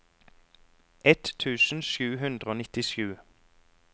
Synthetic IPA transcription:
ʔɛt̪t̪ʰʉːsn̩ʃʉːhʉnd̪ʁoːnɪt̪ɪʃʉː

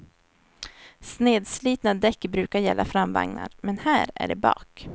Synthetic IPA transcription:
sneːd̪sliːt̪nad̪ɛkːbɾʉ̟ːkaɾjɛlːafɾamva̰ŋna̰ɾmɛnhæːɾæ̰ɖɛbɑ̰ːk

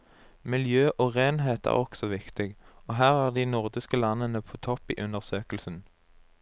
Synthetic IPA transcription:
mɪljøːʔoːʁeːnɦeːt̪ʰæ̰ːʁɔksɔʋɪkt̪ɪɡoːɦæːʁæːʁd̪iːnʊʁd̪ɪskəlɑnənəpʰoːt̪ʰɔpḭːʔʉnəʁsøːkəlsən̩

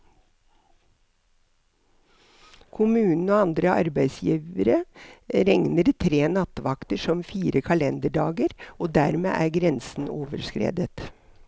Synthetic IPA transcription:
kʰʊmʉːnn̩oːɑnd̪ɾəʔɑ̰ɾbæɪsjiːʋəɾəɾɛŋnəɾt̪ʰɾeːnɑt̪ʋɑkt̪əʂɔmfiːɾəkʰɑlɛnd̪əɖɑːɡəɾoːd̪æːɾmḛːʔæːɾɡɾɛnsn̩oːʋəɾskɾḛːd̪ət̪

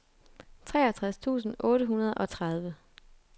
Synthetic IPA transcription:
t͡sʰʁɛ̰ːæt͡sʰʁast͡sʰṵːsn̩ɔ̽ːɾəɦunɐð̞ˠʔɒ̽t͡sʰʁɑð̞ˠʋə

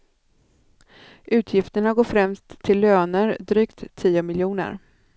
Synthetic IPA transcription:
ʔʉ̟ːt̪ʰjɪft̪əɳaɾɡɔfɾɛmst̪ʰːɪlːøːnəɾd̪ɾyːkt̪ʰːiːʊmɪljuːnə̰ɾ

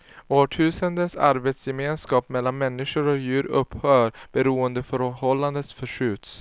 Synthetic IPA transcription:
oːʈʰʉ̟ːsənd̪ənsa̰ɾbeːt̪sjɛmeːnskɑːpmɛlːanmɛnːɪʂʊɾɔjʉ̟ːɾɵ̰pːhœːɾb̥ɛɾuːənd̪əfœɾhɔlːand̪ət̪sfœʂʉ̟ːt̪s

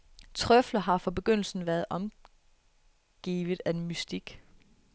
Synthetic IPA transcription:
t͡sʰʁœflɐɦɑ̈fɒ̽b̥e̝ɡ̥øn̰l̩sn̩ʋæːɐð̩ˠʔɒ̽m | ɡ̥ḭːʋð̩ˠæmysd̥iɡ̥

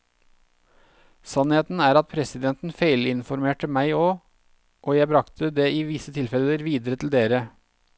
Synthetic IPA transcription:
sɑnheːt̪n̩æːɾɑt̪̚pʰɾɛsɪd̪ɛnt̪n̩fæɪlɪnfɔɾmeːʈəmæɪoː | ʔoːjæɪbɾɑkt̪ʰəd̪eːɪʋɪsət̪ʰɪlfɛləɾʋiːd̪əɾət̪ʰl̩d̪eːɾə

